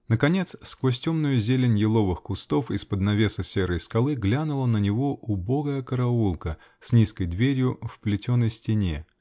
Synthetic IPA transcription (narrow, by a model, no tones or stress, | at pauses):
nəkɐnʲe̞t̪sskvosʲtʲomnʊjʊzʲelʲɪnʲjɪlˠo̞vɨxkʊst̪o̞fɪspəd̪nɐvʲe̞səsʲeɾəjskɐlˠɨɡlʲanʊlˠənənʲɪvo̞ʔʊbo̞ɡəjəkəɾɐulˠkə | sʲnʲiskəjd̪vʲeɾʲjʊfplʲɪtʲonːəjsʲtʲɪnʲe